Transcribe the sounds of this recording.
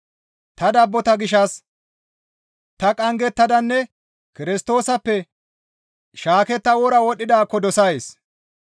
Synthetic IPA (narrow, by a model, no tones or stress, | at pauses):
t̪ɐd̪ɐbːɔt̪ɐɡɪʃɐs | t̪ɐkʼɐŋɡɛt̪ːɐd̪ɐnːɛ | kɪɾɪst̪o̞ːsɐpːɛ | ʃaːkɛt̪ːɐwɔɾɐwɔɗːɪd̪aːkːɔd̪ɔsɐjs